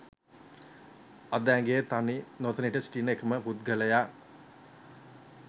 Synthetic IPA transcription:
ad̪əæŋɡejːt̪aninot̪əniʈəsʈinekəməput̪̚ɡələja

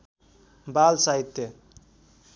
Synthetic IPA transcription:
balsait̪ːe

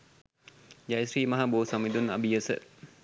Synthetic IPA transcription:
d͡ʒajsɾiːmaɦaboːsamid̪una̰bijəsə̰

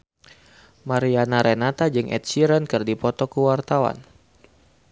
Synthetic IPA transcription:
maɾianaɾenat̪ad͡ʒɨŋʔɛ̰t̪̚siɾənkɨrdipɔt̪ɔkuwart̪awa̰n

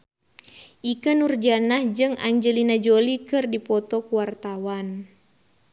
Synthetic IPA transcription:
ʔikənurd͡ʒanahd͡ʒɨŋa̰ɲd͡ʒəlinad͡ʒolikɨrdipɔt̪ɔkuwart̪awan

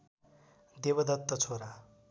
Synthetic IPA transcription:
d̪ebʌd̪ʌt̪ːʌt͡sʰoɾa

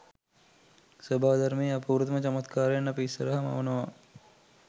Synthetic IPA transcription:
sobʱaːd̪ʱɐɾmiːɐpuːɾut̪mɐt͡ʃɐmɐt̪kaːɾejɐnːɐpisɐɾɐɦɐmɐ̰wnɐʋa

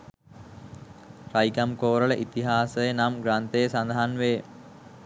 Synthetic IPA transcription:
raikamkoːɾələʔit̪iɦaːsəjənamɡɾant̪ejəsand̪aɦanʋeː

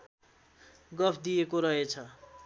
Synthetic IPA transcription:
ɡʌpʰd̪ijekoɾʌɦet͡sʰʌ

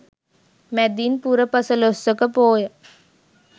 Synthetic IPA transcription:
mɛd̪inpuɾəpəsəlosəkəpoːjə

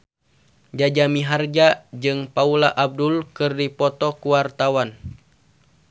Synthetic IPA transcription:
d͡ʒad͡ʒamiɦard͡ʒad͡ʒɨŋpaulaʔab̚dulkɨrdipɔt̪ɔkuwart̪awan

